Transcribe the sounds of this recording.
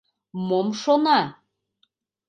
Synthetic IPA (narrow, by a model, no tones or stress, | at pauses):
momʃonɑ